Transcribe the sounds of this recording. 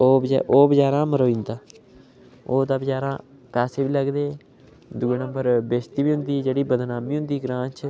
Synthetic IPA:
oːb̰ʔoːbəd͡ʒaːɾãːməɾoːĩːnd̪aː | oːd̪aːbəd͡ʒaːɾãː | pɛːseːbiːləɡd̪eː | d̪uːeːnəmbəɾbeːst̪iːbiːɦʊnd̪iːd͡ʒeːɽiːbəd̪naːmiːɦʊ̃nd̪iːɡɾãːnt͡ʃʰ

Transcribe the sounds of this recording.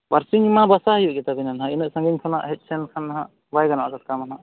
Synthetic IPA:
baɾsiŋimabasaɦajuʔɡɛt̪abinanɦãinəʔsãŋɡiɲkʰana̰ʔɦɛc̪̚sɛnkʰanːaɦaʔ | bajɡana̰ʔɡaʈ̚kamanaʔ

